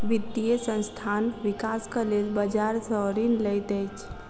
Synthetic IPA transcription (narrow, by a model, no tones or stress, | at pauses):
ʋit̪ːijesə̃nst̪ʰanʋikaskəlelbəd͡ʒaɾsəɦɾinləjt̪əjt͡ʃʰ